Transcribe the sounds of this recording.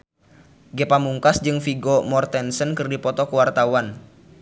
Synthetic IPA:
ɡɛpamuŋkasd͡ʒɨŋfiɡɔmɔrt̪ɛnsənkɨrdipɔt̪ɔkuwart̪awan

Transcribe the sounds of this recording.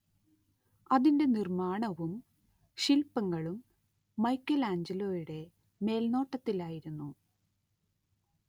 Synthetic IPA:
ɐðinde̞nirmaːɳɐʋum | ɕilpːɐŋːɐɭumː | ɐjkːɐlaːɲd͡ʑilo̞ːjuɽe̞ | me̞ːlno̞ːʈːɐt̪ːilaːjiɾunːu

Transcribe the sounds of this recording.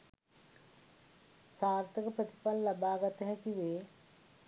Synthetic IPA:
saːɾt̪əkəpɾət̪i̥pɐlːɐbaːɡɐt̪əɦɛkiʋeː

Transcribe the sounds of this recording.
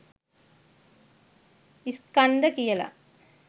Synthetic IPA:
iskɐnd̪ɐkijɐla̰

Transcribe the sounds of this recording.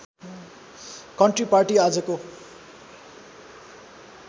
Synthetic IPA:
kʌɳʈriparʈiad͡zʌko

